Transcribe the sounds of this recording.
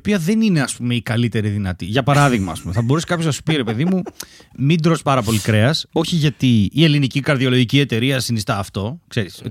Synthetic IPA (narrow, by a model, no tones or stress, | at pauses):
piɐðe̞nine̞ɐspume̞ikɐlit̪e̞ɾiðinɐt̪iʝɐpɐɾɐðiɣmɐːspumeθɐboɾuse̥kɐpçonɐsu̥piɾepe̞ðimu | mid̪ɾo̞spɐɾɐpo̞likɾe̞ɐso̞çiʝɐt̪iːe̞linicikɐɾðio̞lo̞ʝicie̞t̪e̞ɾiɐsinist̪ɐːft̪o̞kse̞ɾis